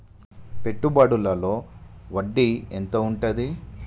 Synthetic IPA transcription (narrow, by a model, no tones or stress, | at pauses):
pe̞ʈːubaːɽulɐlo̞ːʋɐɖːiḛnt̪oːuɳʈɐd̪i